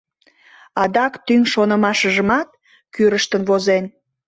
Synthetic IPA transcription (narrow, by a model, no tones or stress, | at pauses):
ɑd̪ɑkt̪yŋʲʃonə̆mɑʃəʒəmɑt̪̚ | kyɾəʃt̪ənβozen